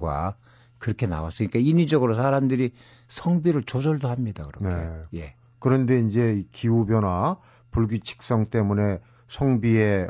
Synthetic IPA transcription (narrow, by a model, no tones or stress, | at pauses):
ɡwa̰ | kɯɾʌkʰe̞na̰wa̰s͈ɯɲik͈aiɲid͡ʑʌɡɯɾosʰaɾamdɯɾi | sʰʌŋbiɾɯɭt͡ɕod͡ʑʌɭdohamɲidakɯɾʌnekejje̞ | kɯɾʌnde̞ind͡ʑe̞ikiubjʌna | puɭɡit͡ɕʰi̥k̚s͈ʌŋt͈e̞mune̞ | sʰʌŋbie